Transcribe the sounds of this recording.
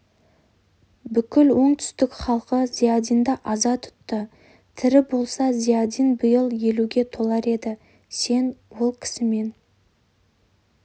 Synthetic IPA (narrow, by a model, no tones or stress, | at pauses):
bʏkʲɪlwo̞ɴt̪ʰʏ̥st̪ɪkχɑlˠqəz̥ijad̪ijnd̪ɑʔɑzɑt̪ʰʊ̥t̪ːə | t̪ʰɪɾɪbo̞lˠsɑzijad̪ijnbʊjəlˠje̞luɡʲe̞t̪ʰo̞lˠɑɾe̞d̪ɪ | se̞nwo̞lˠkʲʰɪ̥sɪme̞n